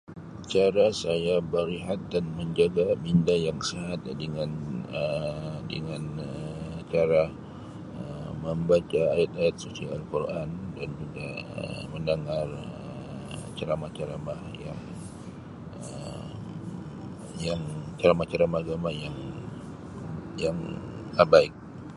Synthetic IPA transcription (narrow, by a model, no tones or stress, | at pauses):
t͡ʃaɾasajabəɾiɦat̪̚danməɲd͡ʒaɡamindajaŋsəɦat̪̚dəŋanədə̰ŋanət͡ʃaɾa | əməmbat͡ʃaːjat̪̚ajat̪̚susiaalkurʔandand͡ʒuɡaə̰məndaŋarə | t͡ʃaɾamat͡ʃaɾamaja̰ŋ | ə | jaŋt͡ʃaɾamat͡ʃaɾamaɡamajaŋ | jaŋəbaɪk̚